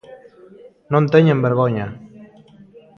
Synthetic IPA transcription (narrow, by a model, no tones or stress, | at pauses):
nont̪eɲembeɾɣoɲa